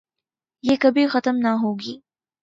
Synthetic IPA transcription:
jeːkɐbʱixɐt̪əmnaɦoːɡiː

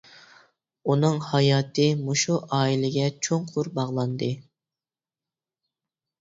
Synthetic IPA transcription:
unɨŋhɑjɑːt̪ʰɨmoʃuʔɑːilɪɡʲɛt͡ʃʰoŋqʰʊɾbɑʁlˠɑnd̪ɨ

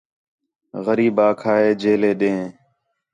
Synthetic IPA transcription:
ɣəɾiːbaːkʰaːɦeːd͡ʒeːleːɗẽː

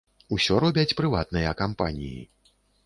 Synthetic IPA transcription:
usʲɔɾɔbʲɐt͡sʲpɾɨvat̪̚nɨjɐkampanʲḭjḭ

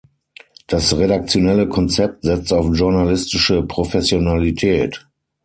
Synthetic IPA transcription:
d̥asʁedak̚t͡sjonɛləkʰɔnt͡sɛp̚tz̥ɛt͡staʊfʒʊɐnalɪstɪʃəpʁ̥ofɛsjonalitʰɛːt

